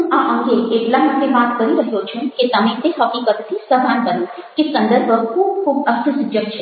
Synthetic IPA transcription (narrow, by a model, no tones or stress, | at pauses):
ũaʔãŋɡeeʈlaməʈːebat̪kəɾiɾəɦjot͡ʃʰũket̪əmẽt̪eɦəpnikəd̪t̪ʰisəb̪ʱankənũkesənd̪əɾbʱəkʰuːb̚kʰuːbəst̪ʰəsʊd͡ʒjəb̚t͡ʃʰe